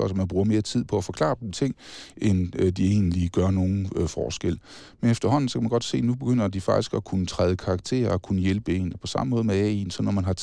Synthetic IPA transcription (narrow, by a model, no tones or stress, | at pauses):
ɒsmænb̥ʁuːɐme̝ːɐt͡sʰið̞̰ˠpʰɒ̽æfɒ̽kʰlɑ̰̈ːt͡sʰe̝ŋ̰ʔend̥ie̝̰ːnliɡ̥ɶɐno̝ːn̩fɒ̰ːsɡ̥el̰ | menefd̥ɐɦɒ̽n̰n̩sɒkʰæmænɡ̥ɒ̽d̥se̝̰ːnub̥e̝ɡ̥øn̰ɐd̥ifɑ̈ɡ̥d̥isɡ̥ɒkʰunət͡sʰʁað̞ˠəkʰɑ̈ɑ̈ɡ̥t͡sʰe̝̰ːɐɒkʰunəjelb̥əe̝npʰɒ̽sɑ̈məmɔ̽ːð̞̩ˠmeɛensɒ̽nːɒmænɦɑ̈